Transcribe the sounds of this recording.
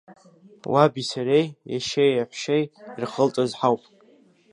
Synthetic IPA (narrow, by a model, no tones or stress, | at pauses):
wʔabisaɾejjaʃejaħʷʃejirχəlt͡sʼazħawpʼ